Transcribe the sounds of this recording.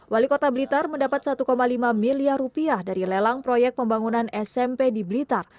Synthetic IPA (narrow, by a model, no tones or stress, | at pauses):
walikot̪abəlit̪arməndapat̪̚sat̪ukomalimamiliarupiahdaɾilelaŋpɾojɛk̚pəmbaŋunanɛsɛmpediblit̪ar